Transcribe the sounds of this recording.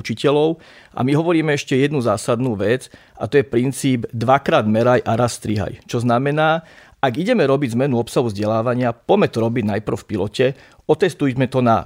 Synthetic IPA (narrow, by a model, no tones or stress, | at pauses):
ut͡ʃicɛlɔʊ | ʔa̰miɦɔʋɔɾiːmɛɛʃcɛjɛd̪nuzaːsad̪nuːʋɛd͡z | at̪ɔjɛpɾint͡siːbd̪ʋakɾaːd̪mɛɾajʔaɾasːt̪ɾiɦa̰jt͡ʃɔznamɛnaː | aɡiɟɛmɛɾɔbiɟzmɛnuɔpsaɦuvzɟɛlaːʋaɲɪapɔmɛt̪ɔɾɔbiɟnajpr̩fpilɔcɛ | ɔt̪ɛst̪ujmɛt̪ɔna̰